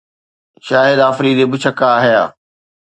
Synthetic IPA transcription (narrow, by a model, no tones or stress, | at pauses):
ʃaːɦɪd̪aːfɾiːd̪ebɪt͡ɕʰɐkaːɦijaː